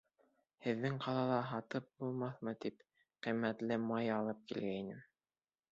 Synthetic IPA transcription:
hɘ̆ðːɘŋqɑlˠɑlˠɑɦɑt̪ɤp̚bulˠmɑθmɤt̪ip | qimːæt̪lɘmɑjɑlˠɤp̚kilɡæinɘm

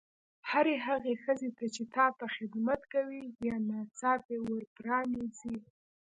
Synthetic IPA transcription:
haɾeɦaɣexəzet̪at͡ʃet̪ɑt̪axɪd̪mat̪kawibjɑnɑt͡sɑpewəɾpɾɑnezi

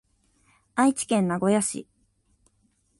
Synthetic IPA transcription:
ait͡ɕi̥kẽ̞nːaɡo̞jaɕḭ

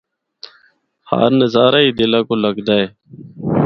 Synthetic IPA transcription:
ha̰ːɾnəzaːɾaːiːd̪ɪlãːkoːləɡd̪aːeː

